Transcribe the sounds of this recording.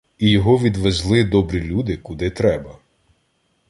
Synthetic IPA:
ijɔɦɔʋʲid̪ʋezlˠɪd̪ɔbɾʲilʲud̪ɪkʊd̪ɪt̪ɾɛbɐ

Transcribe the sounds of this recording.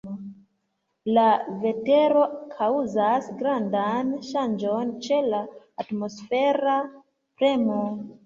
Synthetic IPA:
lave̞te̞ɾo̞kʰauzasɡɾandanʃand͡ʒo̞nt͡ʃe̞laː | tmo̞sfe̞ɾa | pɾe̞mo

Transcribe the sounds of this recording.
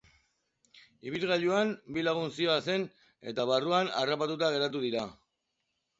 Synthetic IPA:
iβ̞ilɣaʎuambilaɣ̞unsioase̞n | e̞̰t̪aβaruana̰rapat̪ut̪aɣ̞e̞ɾat̪uðiɾa

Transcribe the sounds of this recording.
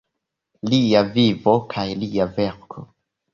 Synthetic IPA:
liavivokʰajliaveɾkʰo

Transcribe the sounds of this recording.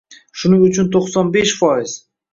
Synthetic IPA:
ʃʊnɪŋʊt͡ʃʰʊnt̪ʰoqsɒnbeʃfɒɪz̥

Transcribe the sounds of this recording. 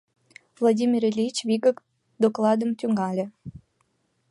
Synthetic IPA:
vlˠadʲimʲirelʲit͡ɕvʲiɡə̆k | d̪oklˠɑd̪əmt̪ʲyŋɡɑlʲĕ

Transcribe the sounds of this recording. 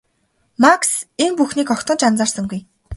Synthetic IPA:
makseŋpuxniːkɔkt̪ɞ̆nt͡ɕant͡saːrsə̆ŋɡuj

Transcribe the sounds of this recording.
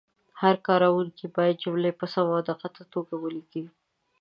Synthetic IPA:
haɾkɑɾawuŋkibɑjad̪̚d͡ʒʊmlepəsamad̪əqat̪at̪oɡawəliɡi

